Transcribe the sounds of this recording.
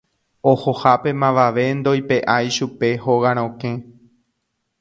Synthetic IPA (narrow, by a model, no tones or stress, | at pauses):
ohohape̞mãʋaʋe̞nd̪o̞jpe̞ʔajʃupe̞hoɣaɾ̃õkẽ̞